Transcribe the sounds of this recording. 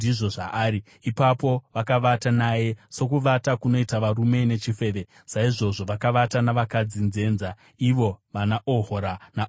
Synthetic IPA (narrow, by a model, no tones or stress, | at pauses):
diʐo̞ʐaaːɾi | ipapo̞ʋakaʋatanaje̞so̞kuʋatakuno̞itaʋarume̞ne̞t͡ʃife̞ːʋe̞ | saiʐo̞ʐo̞ʋakaʋatanaʋakad͡zinze̞ːnza | iʋo̞ʋanaʔoɦoɾana